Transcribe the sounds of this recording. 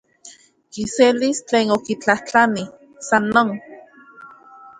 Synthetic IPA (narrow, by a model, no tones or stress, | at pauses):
kiselist͡ɬeːnokit͡ɬaht͡ɬani | sanːoːn